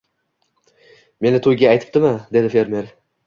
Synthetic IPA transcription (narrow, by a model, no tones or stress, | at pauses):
me̞nɪt̪ʰojɡʲaːjt̪ʰɪ̥p̚t̪ɪmɪd̪e̞d̪ɪfe̞ɾme̞ɾ